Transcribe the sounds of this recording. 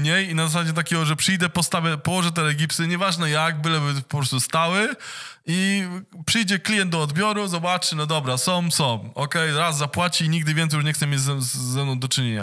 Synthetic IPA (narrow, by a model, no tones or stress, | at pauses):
ɲejinazas̬ad͡ʑɛt̪̬akʲɛɡɔʐɛpʂɨjd̪ɛpɔst̪avɛpɔwɔʐɛt̪̬ɛlɛɡʲipsɨɲɛvaʐnɛjaɡ̚bɘwɛbɘpɔpɾɔst̪ust̪awɘ | ipʂɨjd͡ʑɛklʲijɛnd̪̚d̪ɔɔd̪bʲjɔɾuzɔbat͡ʂɘnɔd̪ɔbɾasɔmsɔmɔkɛjɾazːapwat͡ɕiːɲiɡd̪ɘvʲɛnt̪ɛjuʂ̬ɲɛxt̪sɛmʲed͡ʑzɛːɛmnɔ̃d̪ɔt͡ʂɘɲeɲa̰